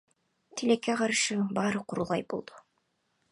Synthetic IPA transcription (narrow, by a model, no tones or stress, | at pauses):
t̪ʰilekːeqɑɾʃɯbɑːɾɯqʰuɾulˠʁɑjbolˠd̪̥u̥